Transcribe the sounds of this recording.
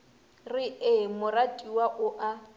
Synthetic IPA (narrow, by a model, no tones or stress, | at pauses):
rɪɪmʊratʼiwaʔʊʔa